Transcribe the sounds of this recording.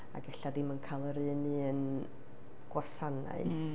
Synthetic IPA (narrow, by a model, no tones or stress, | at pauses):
a̰ɡɛɬadɪmənkʰalˠəɾɨnɨən | ɡ̥wasana̰ɨθ